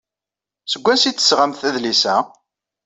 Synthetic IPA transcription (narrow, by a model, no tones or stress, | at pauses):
səɡʷːæsit͡s̪ːə̥sʁamθæðlisæ